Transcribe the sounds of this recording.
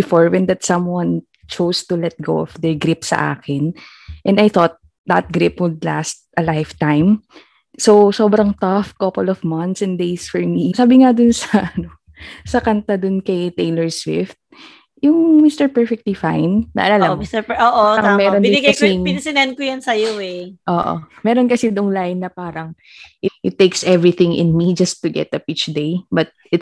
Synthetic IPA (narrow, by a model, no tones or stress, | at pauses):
bɪfoɹwɛnd̪ɐt̪̚sɐ̃mwɐn | t͡ʃowst̪ʊlɛt̪̚ɡo̰wɔfd̪ɛɹɡɾɪpsɐ̰ʔa̰ːkɪn | ʔɛ̃nd̪ɐjθot̪̚ | d̪ɐt̪̚ɡɾɪpwʊd̪la̰st̪̚ʔɐlajft̪ãjm | sowsoːbɾɐŋt̪ɐfkɐpɔlɔvmɐ̃nt̪sɛnd̪ejsfɔɹmisaːbɪŋad̪ʊnsɐɐʔɐno | sɐkɐnt̪ad̪ʊnkɐjt̪ejlɛɹswɪ̰ft̪̚ | jʊŋmist̪ɛɹpɛɹfɛk̚t̪lifã̰jnːɐ̰ʔɐlalɐisɛoʔomɛːɾonɪnɡkɐsiɪnɐsɪnɐn̚kʊjɐnsɐjoɛʔoːʔo̰mɛːɾonkɐsɪd̪ʊŋlajnːɐpaːɾɐŋ | ʔɪʔɪt̪ːejksʔɛvɹiθɪ̃ŋɪ̰̃nmid͡ʒɐst̪ːʊɡɛ̰t̪ɐpit͡ʃd̪ejbɐt̪̚ʔɪt̪